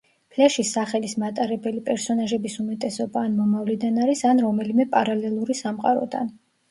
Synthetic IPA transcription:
pʰlɛʃisaχɛlismat̪ʼaɾɛbɛlipʼɛɾsɔnaʒɛbisumɛt̪ʼɛsɔbaːnmɔmavlid̪anaɾisanɾɔmɛlimɛpʼaɾalɛlˠuɾisamqʼaɾɔ̰d̪a̰n

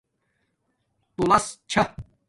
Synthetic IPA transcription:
t̪ulɐst͡ɕʰɐ

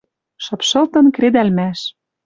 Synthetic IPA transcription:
ʃɤ̆pʃɤ̆lt̪ɤ̆nkred̪ælmæʃ

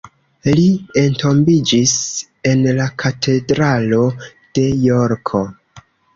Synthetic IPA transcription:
lie̞ntʰo̞mbid͡ʒis | e̞nlakʰatʰe̞dɾalo̞ | d̥e̞joɾkʰo

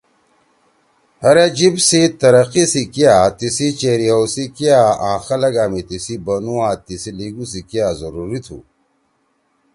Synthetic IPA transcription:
hɐɾed͡ʑibsit̪ɐɾɐqisikijat̪isit͡ʃeɾiɐwsikijaãːxɐlɐɡaːmit̪isibɐnuwãːt̪isiliɡus̬ikijazɐɾuɾit̪ʰṵ

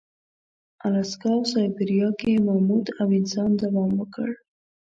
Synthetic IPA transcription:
alaskɑwsɑjbɪɾijɑkemamud̪awɪnsɑnd̪awɑmwəkəɽ

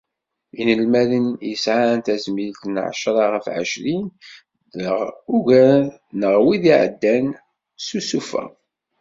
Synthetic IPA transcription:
inəlmælənjəsʕant̪æzmilt̪nʕ̰ʃɾˤɑʁəfʕə̰ʃɾin | ðəʁuʝæ | nəʁwiðiʕə̰d̪ːæn | susufæ̰

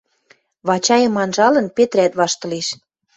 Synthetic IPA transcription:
βɑt͡ɕɑjə̆mɑnʒɑlɤ̆npet̪ɾæt̪βɑʃt̪ɤ̆leʃ

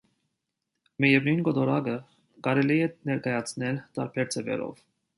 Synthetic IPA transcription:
mɛjɛvnunɡɔd̪ɔɾɑɡə | kɑɾɛliɛnɛɾkɑjɑt͡sʰnɛlt̪ɑɾbʰɛɾt͡sʰɛvɛ̰ɾɔ̰v

